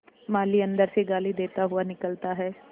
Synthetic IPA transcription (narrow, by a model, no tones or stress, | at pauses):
maːliɐ̃nd̪əɾseɡaːlid̪eːt̪aɦʊanɪkəlt̪aɦɛː